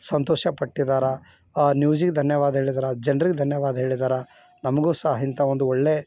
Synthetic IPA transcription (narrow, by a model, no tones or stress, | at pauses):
sɐnt̪oːʃɐpɐʈːid̪aːɾɐ | njuːd͡ʒiɡed̪ʱɐnjɐʋaːd̪ɐɦeːɭid̪aːɾɐd͡ʒɐnɐɾiɡed̪ʱɐnjɐʋaːd̪ɐɦe̞ːɭid̪aːɾɐnɐmɐɡuːsɐɦɦɐint̪ɐʋond̪uoɭːe̞